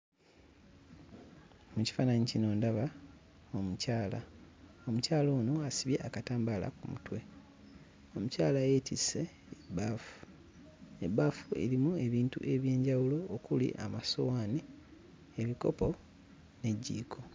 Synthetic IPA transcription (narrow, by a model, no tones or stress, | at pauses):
muci̥faːnaɲicino̞ːndaβa | omucaːla | o̞mucaːlo̞ːno̞asiβje̞ʔakataːmbala̰kumṵtwe̞ | o̞mucaːlaje̞ːtise̞ː | baːfu̥ | ebafue̞̰ɾimue̞βiːntṵʔe̞βje̞ːɲɟawulo̞okulḭʔa̰maso̞waːni | e̞βiko̞̰po̞ | ne̞ɟːḭːkʰo̞